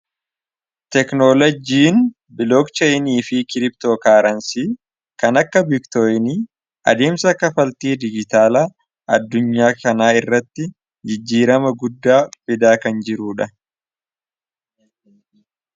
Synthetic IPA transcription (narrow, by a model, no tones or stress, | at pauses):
t̪ɛknoːlɐd͡ʒiːn | bɪloːkt͡ʃɛɪniːfɪkɪɾɪp̚t̪oːkaːɾɐnsiː | kɐnɐkːɐbɪkt̪ojniː | ɐ̰d̪e̞ːmsɐkːɐfɐlt̪iːd̪ɪd͡ʒɪt̪aːlɐ | ɐd̪ːʊɲːaːkɐnaːɪrːɐt̪ːɪ | d͡ʒɪd͡ʒːiːɾɐmɐɡʊd̪ːaːfɪd̪aːkɐnd͡ʒɪɾuːᶑɐ